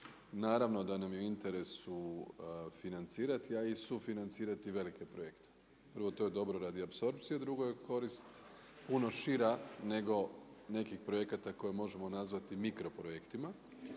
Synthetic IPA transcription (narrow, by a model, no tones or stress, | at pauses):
naːɾaʋno̞d̪anamjuint̪e̞ɾe̞su | finant̪siːɾat̪iaisufinant̪siːɾat̪iʋe̞like̞pɾoje̞kt̪e̥ | pr̩ʋo̞t̪o̞jed̪o̞bɾo̞ɾad̪iapso̞ɾp̚t̪sijad̪ɾuɡo̞je̞ko̞ɾist̪ | puno̞ʃiɾane̞ɡo̞ne̞kixpɾo̞je̞kat̪ako̞jemo̞ʒe̞mo̞nazʋat̪imikɾo̞pɾojekt̪ima